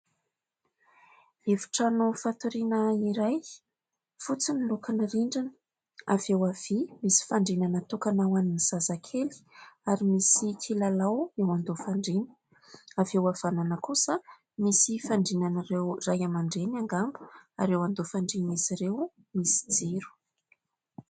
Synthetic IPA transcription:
evi̥ʈ͡ʂanufat̪uɾinəiɾaj | fut͡sinilukanəriɳɖ͡ʐan | avewav̥imisi̥faɳɖ͡ʐinanət̪ukanawaniniz̥azakʰeli̥aɾimisikʰilalawewand̪ofaɳɖ͡ʐinə | avewav̥ananəkusə | misifaɳɖ͡ʐinanarewrajamaɳɖ͡ʐenaŋɡambu̥a̰ɾewand̪ofaɳɖ͡ʐinmisiɾew | misi̥d͡zeɾu̥

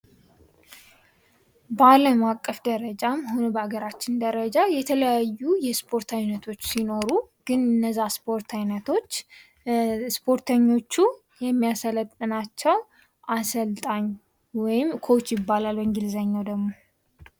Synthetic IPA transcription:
bəaləmakʼːəfd̪əɾəd͡ʒamhonobəaɡəɾat͡ʃːɪnd̪əɾəd͡ʒajɛt̪ʰələjajːujɛspʰo̞ɾt̪ʰajnət̪ʰo̞t͡ʃːsino̞ɾuɡ̥ɨnɨnːəzːaspʰo̞ɾt̪ʰajnət̪ʰo̞t͡ʃː | spʰo̞ɾt̪ʰəɲːo̞t͡ʃːu | jɛmːijasələt̪ʼːɨnat͡ʃːɛw | ʔasəlt̪ʼaɲː | wɔjɪmkʰo̞t͡ʃːjɪbːalalwəŋɡɪlzəɲːawd̪əɡmo̞

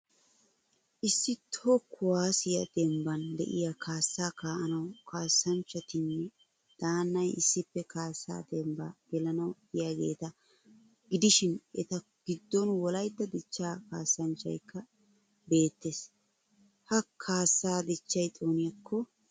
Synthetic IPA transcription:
ʔɪsːɪt̪ʰokʰːʊwaːsɪjɐd̪̥ɛmbɐnd̪ɛ̰ʔɪjakʰaːsːaːkaːʔɐnɐwkʰaːsːɐnt͡ʃːɐt̪ɪnːɛ | d̪̥aːnːɐjɪsːɪpːɛkaːsːa̰ːd̪ɛmba̰ɡ̥ɛlɐnɐwɪjaːɡe̞̰ːt̪ɐ | ɡɪd̪ɪʃɪnɛt̪ɐ | ɡ̥ɪd̪ːɔnwɔlɐjd̪ːɐd̪ɪt͡ʃːaːkaːsːɐnt͡ʃːɐ̰jkːɐ | be̞ːt̪ːes | hɐkʰaːsːaːd̪ɪt͡ʃːɐjt̪ʼoːnɪjɐkʰːɔ

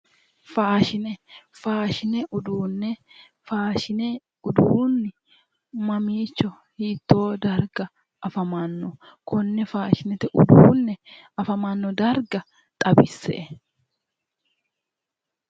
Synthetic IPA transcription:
faːʃɪnɛfaːʃɪnɛʔʊd̪uːnːɛ | faːʃɪnɛ | ʊd̪uːnːɪ | mɐmiːt͡ʃːɔ | hiːt̪ːo̞ːd̪ɐɾɡɐ | ɐfɐmanːɔ | kʊnːɛfaːʃɪnɛt̪ɛʔʊ̰d̪uːnːɛɐfɐmanːɔd̪ɐɾɡɐ | t̪ʼɐbɪsːɛ̰ʔ

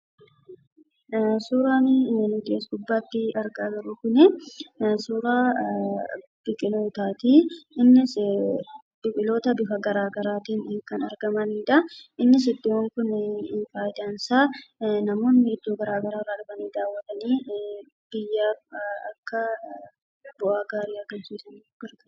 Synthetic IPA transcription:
suːɾaːnɪnʊɡ̪eːsɡʊbːaːt̪ːɪɐɾɡaːɡɐɾʊkʊnɛ | suːɾaː | b̥ɪkʼɪlo̞ːt̪aːt̪iːɪnːɪs | b̥ɪkʼɪlo̞ːt̪ɐbɪfɐɡɐɾaːɡɐɾaːt̪iːnɪːkɐnɐɾɡɐmɐniːᶑɐʔɪnːɪs̬ɪd̪ːɪwɐŋkʊnɪfaːjd̪aːnsaːnɐmo̞ːnːɪɪd̪ːoːɡɐɾaːɡɐɾaːrɐᶑʊbɐniːd̪aːwːɐt̪ʼɐniː | b̥ɪjːaːɐkːɐ | bʊʔaːɡaːɾɪakɐnsʊnsɐniːɡ̥ɐɾt̪ɐ

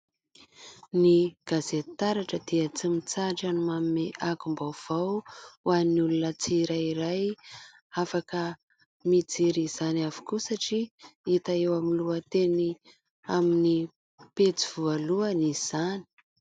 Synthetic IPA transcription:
niɡ̥azet̪aɾaʈ͡ʂəd̪̥iət͡simit͡saʈ͡ʂanimammeʔakumbawv̥awwanulunət͡siɾaiɾaj | afakə | mid͡ziɾiz̥aniavu̥kusaʈ͡ʂiit̪aewamiluət̪eni | amini | pet͡siv̥ualuəniz̥ani̥

